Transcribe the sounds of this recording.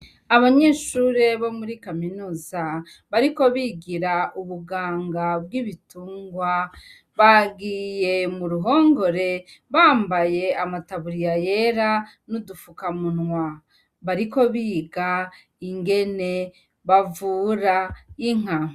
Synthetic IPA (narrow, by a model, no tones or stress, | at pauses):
aβaɲe̞ːʃuːɾe̞βo̞muɾikaminuːza | βaɾiko̞βiɡiɾauβuɡaːŋɡabɡiːβituːŋɡwa | βaɡije̞muɾuɦo̞ːŋɡo̞ɾe̞βaːmbaje̞amataβuɾijaje̞ɾa | nudufukamunŋwa | βaɾiko̞βiːɡa | iŋɡe̞ne̞ | βavuːɾaiŋ̥a